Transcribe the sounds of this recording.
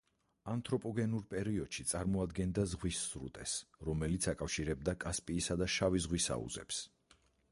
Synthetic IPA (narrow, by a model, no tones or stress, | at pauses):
ant̪ʼɾɔpʼɔɡɛnuɾpʼɛɾiɔd̪̥ʃit̪sʼaɾmɔad̪ɡɛnd̪azʁwisːɾṵt̪ʼɛsɾɔmɛlit̪sʰakʼafʃiɾɛb̚d̪akʼaspʼiːsad̪aʃavizʁwisa̰ṵzɛ̰ps